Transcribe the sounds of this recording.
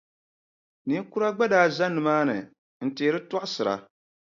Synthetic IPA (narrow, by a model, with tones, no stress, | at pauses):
ni˦ku˦ɾa˦ɡ͡ba˦daː˦˨za˦nːɨ˨maː˦nɨ˨ | n̩˨teː˨˦ɾɨ˦tɔ˦ʔʊ˦sɨ˨ɾa̰˨